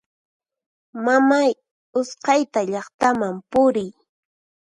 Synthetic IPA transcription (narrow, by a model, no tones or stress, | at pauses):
mamaj | ʊsqɑjt̪aʎɑχt̪amampʊɾɪj